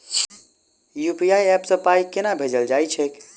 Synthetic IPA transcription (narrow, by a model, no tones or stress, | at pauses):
jupiaiɛpsə̃paikenabʱed͡ʒəld͡ʒajt͡ʃʰek